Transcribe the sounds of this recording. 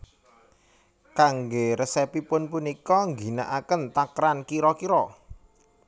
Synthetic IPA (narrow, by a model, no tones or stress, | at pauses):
kaŋɡeɾəsɛpipʊnpunikɔŋɡi̤naʔakənt̪akɾankiɾɔkiɾɔ